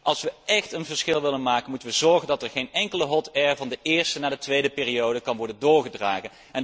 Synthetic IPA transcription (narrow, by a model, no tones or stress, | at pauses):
ʔɑlˠsʋəʔɛχtənvəɹsχɪlˠʋɪlənmaːkənmutənʋəzɔɹχəndɑtɛɹχejnɛŋkələɦɔtɛɹvɑndəʔɪːɹstənaːdətʋejdəpɪːrijowdəkɑnʋɔɹdəndʊːɹχədraːχən | ɛn